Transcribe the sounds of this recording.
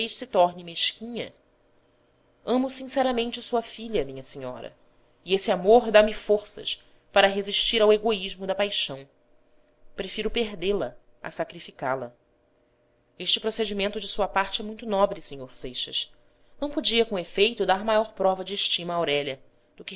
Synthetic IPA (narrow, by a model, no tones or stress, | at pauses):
ejʃsɪt̪ɔɾnɪmeʃkĩɲɐ̰ | ɐ̃mʊsĩsɛɾɐmẽnt͡ʃɪsuɐfiʎɐmĩɲɐsiɲɔ̰ɾɐ̰ | iesɪamoɾd̪amɪfoɾsɐ̰ʃ | paɾɐɦeziʃt͡ʃiɾaweɡoiʒmʊd̪ɐpajʃɐ̃w̃ | pɾefiɾʊpeɦd̪elɐ | a̰sakɾifika̰lɐ̰ | eʃt͡ʃɪpɾosed͡ʒimẽnt̪ʊd͡ʒɪsuɐpaχt͡ʃɪɛmũj̃t̪ʊnɔbɾɪseɲoɾsejʃɐ̰ʃ | nɐ̃w̃pod͡ʒiɐkõefejt̪ʊd̪aɾmajɔɾpɾɔvɐd͡ʒɪːʃt͡ʃĩmɐːwɾɛʎɐ | d̪̥ʊkɪ